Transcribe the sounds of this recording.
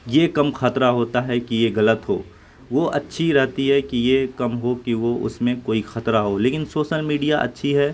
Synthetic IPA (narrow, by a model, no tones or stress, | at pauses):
jekɐmxɐt̪ɾaɦoːt̪aɦɛkijeɣɐlət̪ɦoː | ʋoʔɐtːʃʰiɾɛɦt̪iɦɛkijekɐmɦokiʋoʔʊ̰smẽkoːixɐt̪ɾaɦoːleːkɪnsoːʃəlmiːɖijaʔɐ̰tːʃʰiɦɛː